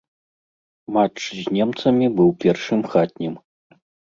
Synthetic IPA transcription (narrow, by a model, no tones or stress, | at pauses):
mat͡ʂzʲnʲɛmt̪sɐmʲibɨwpʲɛrʂɨmxat̪̚ʲnʲim